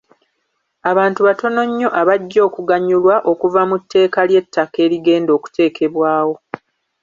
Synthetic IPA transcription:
aβaːntuβato̞no̞ɲːo̞ʔaβaɟːo̞ːkuɡaɲːulwaʔo̞kuvamutːe̞ːkalje̞tʰːake̞ːɾiɡe̞ːndo̞ːku̥te̞ːkʰe̞βwaːwo̞

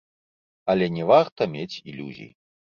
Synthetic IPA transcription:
ɐlʲɛnʲɛvaɣt̪ɐmʲet͡sʲilʲuzʲḭjḭ

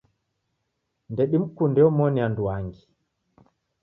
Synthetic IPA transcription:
ndɛɗim̩kundɛɔmɔnianduaŋɡi

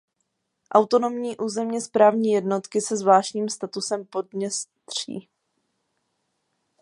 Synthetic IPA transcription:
ʔawt̪o̞no̞mɲiːʔuːzɛmɲɛspɾaːvɲiːjɛdno̞t̪kɪsɛzvlaːʃɲiːmst̪at̪usɛmpo̞d̚mɲɛst̪r̝̥ḭː

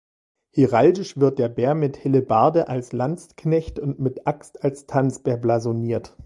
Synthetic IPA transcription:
hiʁaldɪʃv̥ɪɐt̚d̥eːɐbeːɐmɪthɪləbaɐdəʔalslant͡sknɛçtʊntmɪtʔakstalstʰant͡sb̥eːɐblazoniːɐt

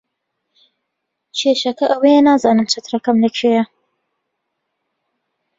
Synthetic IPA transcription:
t͡ʃʰeʃɐkɐʔɐwɐjenaːzaːnɨmt͡ʃʰɐt̪ɾɐkɐmlɐkʰejɐ

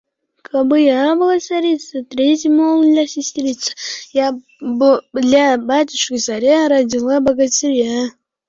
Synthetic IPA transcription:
kʰabɨjabɨlˠasɐɾʲit̪sɨt̪ɾʲetʲɪmolˠd̪lʲasʲɪsʲtʲɾʲit̪sɨ̥ja | bd̪lʲabatʲɪʂkɨsaɾʲaɾɐdʲilˠabɐɡɐtʲɪɾʲja

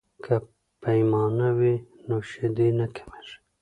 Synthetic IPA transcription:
kʰa | pajmɑnawinoʃed̪enakʰḁmeʒ

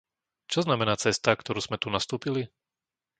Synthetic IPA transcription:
t͡ʃɔznamɛnaːt͡sɛst̪akt̪ɔɾuːz̥mɛt̪unast̪uːpili

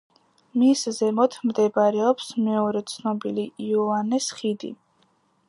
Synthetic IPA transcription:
miszɛmɔt̪ʰmd̪ɛbɾɛɔpsmɛɔɾɛt̪sʰnɔbiliiɔanɛsχid̪ḭ

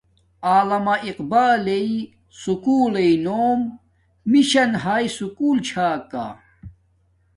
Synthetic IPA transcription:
aːlɐmɐʔiqbaːlei | sukuːleinoːmː | iɕɐnɦaːisukuːlt͡ɕʰaːka̰

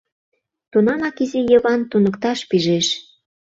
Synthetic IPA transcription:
t̪unɑmɑkizijəβɑnt̪unəkt̪ɑʃpiʒeʃ

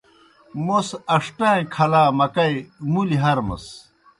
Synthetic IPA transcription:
mosɐʂʈãẽkʰɐlaːmɐkɐimuliɦɐɾmɐ̰s

